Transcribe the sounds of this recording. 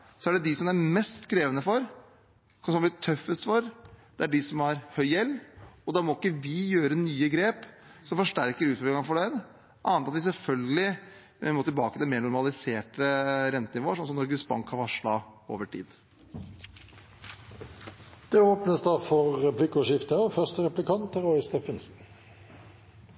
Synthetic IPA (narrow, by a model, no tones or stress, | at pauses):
sɔæɖɛd̪ɪsɔmæɾmɛst̪kʰɾeːʋənəfɔɾ | sɔmblɪt̪ʰœfːəst̪fɔɾd̪̥ɛæɖɪsɔmɑɾhœʏjɛlːɔd̪ɑːmɔɪkːəʋɪjøːɾənyːəɡɾeːp | sɔmfɔʂʈæɾkəɾʉːt̪fɔlɪŋɑfɔɖɛn | ʔɑːnt̪ɑt̪ʋɪsɛlfœlɡəlɪ | moːt̪ɪlbɑːkət̪ɪlmeːɾɳʊɾmɑlɪseːʈəɾɛnt̪ənɪʋoːʂ̬ɔnsɔmnɔɾɡəsbɑ̰ŋkhɑɾʋɑʂlɑo̰ːʋəʈʰḭːd̪ | d̪̥ɛoːpnəsd̪ɑfɔɾːɛplɪkʊʂɪft̪əɔfœʁst̪əɾɛplɪkʰɑnt̪əɾɔʏɪst̪ɛfənsn